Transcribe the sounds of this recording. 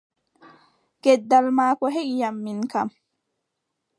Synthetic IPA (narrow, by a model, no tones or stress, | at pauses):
ɡ̥ɛd̪ːalmaːkɔɦɛʔjamːinka̰m